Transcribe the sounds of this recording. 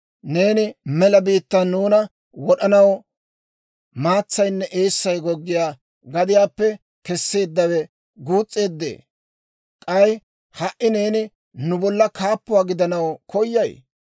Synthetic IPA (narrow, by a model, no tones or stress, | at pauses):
ne̞ːnɪmɛlɐbiːt̪ːɐnuːnɐ | wɔɗɐnɐw | maːt͡sːɐjnːɛʔeːsːɐjɡɔɡːɪjaː | ɡɐd̪ɪjaːpːɛ | kɛsːe̞ːd̪ːɐwɛ | ɡuːt͡sʼːe̞ːd̪ːḛː | kʼɐj | hɐʔɪne̞ːnɪ | nʊbɔlːɐkaːpːʊwaːɡɪd̪ɐnɐwkʰɔjːɐj